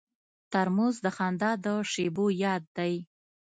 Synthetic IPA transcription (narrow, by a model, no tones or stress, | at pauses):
t̪aɾmozd̪əxɑnd̪ɑd̪əʂebojɑd̪ːaj